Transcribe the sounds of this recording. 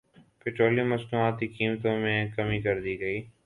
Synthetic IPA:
pɪʈoːliməsnũaːt̪ikiːmt̪õmẽkəmikəɾd̪iːɡəiː

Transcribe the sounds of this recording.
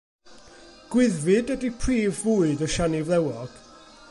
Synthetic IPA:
ɡ̥wɪðvɪdədipʰriːvːʊːɨdɔʃanivlˠɛwɔɡ̥

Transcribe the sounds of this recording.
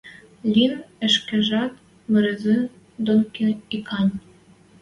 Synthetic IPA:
lʲinɘ̆ʃkɘ̆ʒɑt̪ | mɘ̆ɾɘ̆zɘn | d̪onkenikʰɑnʲ

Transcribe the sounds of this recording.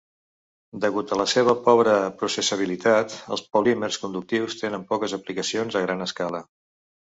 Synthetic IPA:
d̪əɣut̪ələseβ̞əpɔβɾəpɾusəsəβ̞ilit̪at̪ə̰lˠspolimerskund̪uk̚t̪iwst̪enəmpɔkəzəplikəsionzəɣɾanəskalə

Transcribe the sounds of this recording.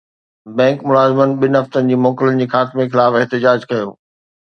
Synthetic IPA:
bɛ̃ːŋkmʊlaːzɪmənɪ̆ɓɪnɪɦɐft̪ənɪ̆d͡ʑiːmɔːkɪlənɪ̆d͡ʑiːxaːt̪ɪmexɪlaːfɪɦt̪ɪd͡ʑaːd͡ʑkɐjoː

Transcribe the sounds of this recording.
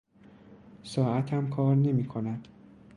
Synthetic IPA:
sɒːʔæt̪ʰhæmkʰɒːɾne̞miːkʰonæd̪̥

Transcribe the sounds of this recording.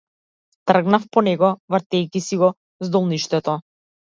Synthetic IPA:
t̪r̩ɡnafpɔnɛɡɔvr̩t̪ɛjkʲisiɡɔ | zd̪ɔlˠniʃt̪ɛt̪ɔ

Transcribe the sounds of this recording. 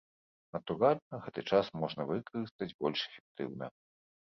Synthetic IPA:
nɐt̪uɾalʲnɐɣɛt̪ɨt͡ʂasmɔʐnɐvɨkɐɾɨst̪ɐd͡zʲbɔlʲʂɛ̥fʲɛ̥k̚t̪ɨ̰wnɐ̰

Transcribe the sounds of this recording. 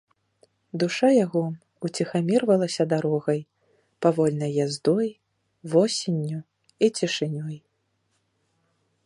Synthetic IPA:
d̪uʂajaɣɔ | ut͡sʲixamʲirvɐlˠɐsʲɐd̪aɾɔɣɐj | pavɔlʲnɐjːazd̪ɔj | vɔsʲinʲːu | it͡sʲiʂɨnʲɔj

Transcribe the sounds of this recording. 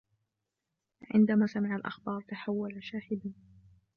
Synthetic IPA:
ʕɪ̰nd̪amaːsamɪʕalʔa̰xbɑːɾˤt̪aħawːalaʃaːhɪd̪a

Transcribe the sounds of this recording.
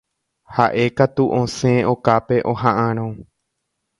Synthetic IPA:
haʔe̞kat̪uʔõsẽokape̞ʔohãʔãɾ̃õ

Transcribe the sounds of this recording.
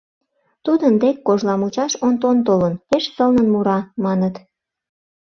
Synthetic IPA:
t̪ud̪ənd̪ekːoʒlɑmut͡ɕɑʃont̪ont̪olənpeʃsəlnənmuɾɑmɑnət̪

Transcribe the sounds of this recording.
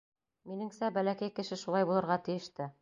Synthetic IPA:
minɘ̆ŋsæbælækæjkɘ̆ʃɘʃulˠɑjbulˠɤ̆ɾʁɑt̪ɘ̆jɘ̆ʃt̪ɘ

